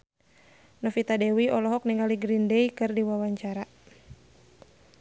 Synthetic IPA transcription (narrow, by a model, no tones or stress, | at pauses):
nɔfit̪adɛwiɔlɔɦɔk̚niŋaliɡɾindɛjkɨrdiwawaɲt͡ʃaɾa